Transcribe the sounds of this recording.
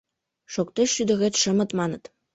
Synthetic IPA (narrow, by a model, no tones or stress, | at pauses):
ʂokt̪eɕyd̪ɘ̆ɣʲet̪ʂɤ̆mɤ̆t̪mɑnɤ̆t̪